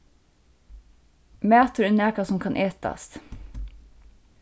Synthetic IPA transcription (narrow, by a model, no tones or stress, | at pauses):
mæːt̪ʊɾʉnæːkɑsɔmkʰɑnʔeːt̪ɑ̰st̪